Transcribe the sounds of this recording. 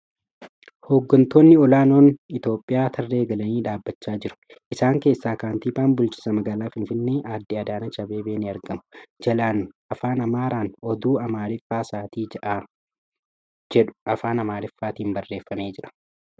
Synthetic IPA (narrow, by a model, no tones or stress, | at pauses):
ho̞ːɡːɐnt̪oːnːɪɔlaːno̞ːnɪt̪o̞ːpʼːɪjaːt̪ʰɐrːe̞ːɡɐlɐniːᶑaːbːɐt͡ʃːaːd͡ʒɪɾʊ̥ | ʔɪsaːŋke̞ːsːaːkaːnt̪iːbaːnbʊlt͡ʃɪ̥sɐmɐɡaːlaːfɪnfɪnːeːʔaːd̪ːɪɐd̪aːnɐt͡ʃɐbe̞ːbeːnɪɐɾɡɐmɐ̥d͡ʒɐlaːnɐfaːnɐmaːɾaːnɔd̪uːɐmaːɾɪfːaːsaːt̪iːd͡ʒɐʔaː | d͡ʒɛᶑʊ̥ɐfaːnɐmaːɾɪfːaːt̪iːmbɐrːeːfːɐme̞ːd͡ʒɪᶑɐ̥